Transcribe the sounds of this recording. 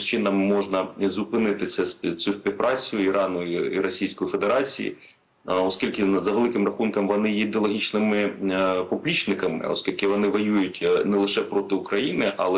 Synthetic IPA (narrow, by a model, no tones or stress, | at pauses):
t͡ʃɪnɐmːɔʒnɐzʊpɪnɪt̪ɪt̪sɛsʲt͡sʲusʲpʲiwpɾʔɑt͡sʲʊjʊiɾɑnʊiiɾɔsʲijsʲkɔjʊfe̞d̪eɾɑt͡sʲḭjḭ | ɔskʲilʲkɪzɐʋelˠɪkɪmrɐxunkɐmʋɔnɪjɛid̪eɔlˠɔɦʲit͡ʃnɪmɪpɔblʲit͡ʃnɪkɐmɪ̰ɔ̰skʲilʲkɪʋɔnɪʋɔjujʊtʲnɛlˠɪʃɛpɾɔt̪ɪʊkɾɐjinɪʔɐlˠɛ